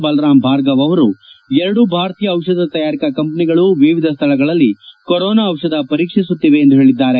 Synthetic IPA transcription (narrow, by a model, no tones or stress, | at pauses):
bɐlɾaːmbʱaːɾɡɐʋɐʋɐɾuɛɾɐɽubʱaːɾɐt̪iːjɐːʋʂɐd̪ɐt̪ɐjaːɾikɐkɐmpɐniɡɐɭuʋiʋid̪ʱɐst̪ʰɐɭɐɡɐɭɐlːikoɾɔːnaːwʂɐd̪ɐpɐɾiːkʂisut̪ːiʋe̞ːnd̪uɦeːɭid̪ːaːɾe